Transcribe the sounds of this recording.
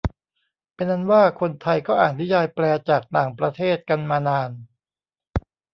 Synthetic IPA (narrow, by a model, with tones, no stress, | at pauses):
pe˧nʔa˧nwaː˥˩kʰo˧nt̪ʰa˧jkɔː˥˩ʔaː˨˩t̪̚ni˦˥jaː˧jplɛː˧t͡ɕaː˨˩k̚naː˨˩ŋpɾa˧t̪ʰeː˥˩t̪̚ka˧nmaː˧naː˧n